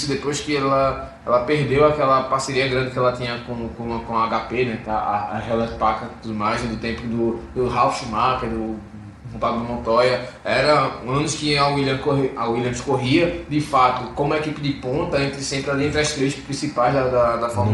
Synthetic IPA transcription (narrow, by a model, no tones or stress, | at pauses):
sʊd̪epojskɪɛlɐ | ɛ̰lɐpeɦd̪ewakɛlɐpahseɾiɐɡɾɐ̃nd̪ɪkɪɛlɐt̪ĩɲɐkõkõkõaaɡapenɛkaaaɦɛlɛ̃t̪pakt̪ud̪ʊmajzɛd̪ʊt̪ẽpʊd̪ʊd̪ʊɦawfʃumakɛd̪ʊ | ɦõpaɡʊd̪ɪmõt̪ɔjɐɛɾɐɐ̃nʊʃkɪailjɐ̃koɦawilɐ̃ʃkoɦiɐd̪ɪfat̪ʊkõmʊɐekipɪd̪ɪpõnt̪ɐẽnt̪ɾɪsẽpɾɪaliẽt̪ɾɐʃt̪ɾejʃpɾĩsipajzd̪ɐd̪ɐd̪ɐfɔ